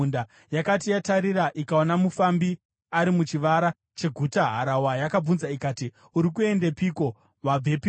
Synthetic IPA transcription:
nda | jakatijataɾiɾaʔikaonamufambi | aɾimut͡ʃiʋaɾa | t͡ʃe̞ɡʱutaɦa̰ɾawajakab͡vunzaikaːti | uɾikue̞ndepiko̞ | ʋab͡vepi

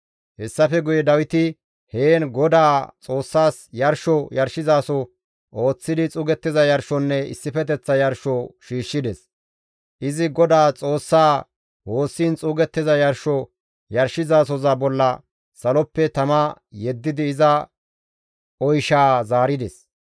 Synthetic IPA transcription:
hɛsːɐfɛɡʊjɛd̪ɐwɪt̪ɪ | heːnɡɔd̪aːt͡sʼo̞ːsːaːsjɐɾʃɔjɐɾʃɪzaːsɔ | ʔo̞ːt͡sːɪd̪ɪt͡sʼuːɡɛt̪ːɪzɐjɐɾʃɔnːɛɪ̰sːɪfɛt̪̬ɛt͡sːɐjɐɾʃɔʃiːʃːɪd̪ɛs | ʔɪzɪɡɔd̪aːt͡sʼo̞ːsːaː | wo̞ːsːiːnt͡sʼuːɡɛt̪ːɪzɐjɐɾʃɔ | jɐɾʃɪzaːs̬ɔzabɔlːɐ | sɐlɔpːɛt̪ɐmɐjɛd̪ːɪd̪ɪːzɐ | ɔjʃaːzaːɾɪd̪ɛs

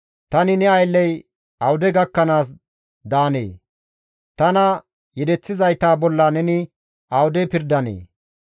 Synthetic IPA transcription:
t̪ɐnɪnɛɐjlːɛj | ɐwʊd̪ɛɡɐkːɐnaːs̬ | d̪aːnḛː | t̪ɐnɐ | jɛd̪ɛt͡sːɪzɐjt̪aːbɔlːɐnɛnɪ | ɐwʊd̪ɛpɪɾd̪ɐnḛː

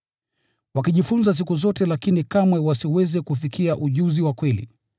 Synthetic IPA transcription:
wakiʄifunzas̬ikuzɔtɛlakinikamwɛwasiwɛzɛkufikʰiaʔuʄuziwakwɛlḭ

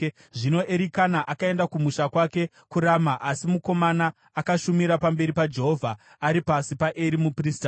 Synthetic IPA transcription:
ʐino̞ʔe̞ɾikanaʔakae̞ndakumuʃakwake̞ | kuɾamaʔasimuko̞manaː | kaʃumiɾapambe̞ɾipad͡ʒe̞ɦo̞vʱaː | ɾipasipaʔeɾimuprista

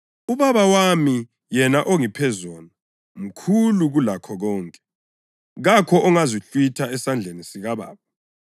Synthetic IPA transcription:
uβaβawami | jɛnaʔoŋipʰɛzɔːna | m̩kʰuluɣulakʰɔɣɔːŋkʼɛ | ɣakʰɔɔŋazit͡ɬʼwitʰaɛsand͡ɮʱenisiɣaβa̰ːβa

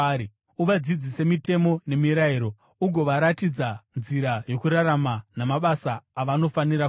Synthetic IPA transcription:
uʋad͡zid͡zise̞mite̞mo̞ne̞miɾaiɾo̞ | uɡʱo̞ʋaɾatid͡zanziɾajo̞kuɾaramanamaɓasaːʋano̞faniɾa

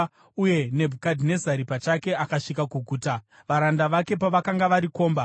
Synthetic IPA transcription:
uje̞ne̞bʱukadʱine̞zaɾipat͡ʃake̞ʔakaʂikakuɡʱuːta | ʋaɾandaʋake̞paʋakaŋɡaʋaɾiko̞ːmba

